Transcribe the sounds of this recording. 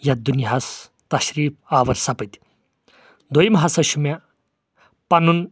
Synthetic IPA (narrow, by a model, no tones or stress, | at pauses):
jɐd̪uniɦas | t̪ɐɕɾiːpaːʋɐɾsɐpɨt̪ʲi̥ | d̪ojmɦasɐʃumja | pɐnun